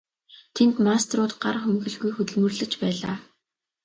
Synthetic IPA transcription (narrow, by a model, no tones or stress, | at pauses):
t̪ʰent̪mast̪rʊːt̪ɢarxɵmɡɵ̆ɮɣujxɵt̪ɵ̆ɮmɵ̆rɮɘ̆t͡ɕpæːɮa̰ː